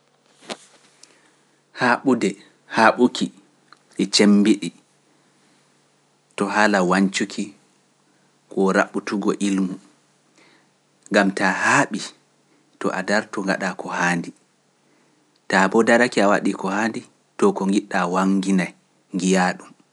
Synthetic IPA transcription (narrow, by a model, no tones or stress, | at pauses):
haːɓudɛ | haɓukʰi | ʔɛt͡ʃembiɗi | tɔɦalawaɲt͡ʃukʰi | kɔɾa̰ɓutuɡɔʔilmu | ŋɡamtahaːɓi | tɔ̰ʔadaɾtɔŋɡa̰ɗakɔhaːndi | tabɔdaɾakiawa̰ɗikɔhaːndi | tɔkɔŋɡiɗːawaŋɡinaj | ŋɡijaːɗum